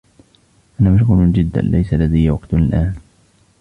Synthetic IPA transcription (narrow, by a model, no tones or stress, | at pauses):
ʔanaːmaʃ̬ɣuːlʊnd͡ʒɪd̪ːa̰nlʔa̰jsalːad̪ajːwaqt̪ɪlʔaːn